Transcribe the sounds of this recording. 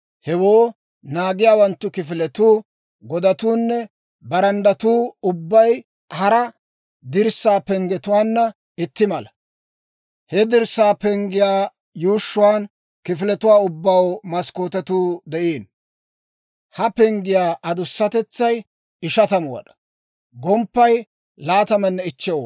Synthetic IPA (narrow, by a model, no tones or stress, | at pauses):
hɛwoː | naːɡɪjaːwɐnt̪ːʊkɪfɪlɛt̪uː | ɡɔd̪ɐt̪uːnːɛ | bɐɾɐnd̪ɐt̪uːʊbːɐj | hɐɾɐ | d̪ɪɾsːaːpɛŋɡɛt̪ʊwaːnːɐ | ɪt̪ːɪmɐlɐ | hɛd̪ɪɾsːaːpɛŋɡɪjaː | juːʃːʊwaːn | kɪfɪlɛt̪ʊwaːʊbːɐwmɐskoːt̪ɛt̪uːd̪ɛʔeːn | hɐpɛŋɡɪjaːʔɐd̪ʊsːɐt̪ɛt͡sːɐj | ɪʃɐt̪ɐmʊwɐ̰ᶑɐ̥ | ɡɔmpːɐj | laːt̪ɐmɛnːɛɪt͡ʃːɛw